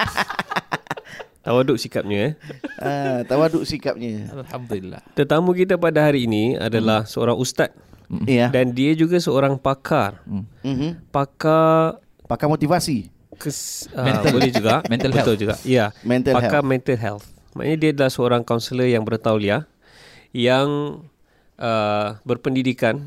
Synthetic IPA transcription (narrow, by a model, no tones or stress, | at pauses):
t̪awadʊʔ̚sikap̚ɲaɛat̪awadʊʔsikap̚ɲaaamd̪lːa̰t̪ət̪amũk̬it̪̬ap̬adaɦaɾiːnia̰dalahsəo̰ɾaŋust̪at̪̚ | dandiad͡ʒuɡasəoɾaŋpakʰar̩ | paka | pakamot̪ivasi | kəsəbbolɛd͡ʒuɡaʔɛbətlʊld͡ʒuɡa̰ʔjamɛnt̪apakamɛ̃nt̪alɦɛ̰lt̪ | ma̰ʔa̰ɲãdiadalahsəoɾaŋkawnsələjaŋbəɾt̪auwlia | jaŋ | ʔəbərpəndidikan